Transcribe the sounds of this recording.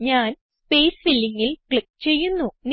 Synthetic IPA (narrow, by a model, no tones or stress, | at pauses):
ɲaːnspeːsfilːiŋːilkɭik̚ːt͡ɕe̞jːunːun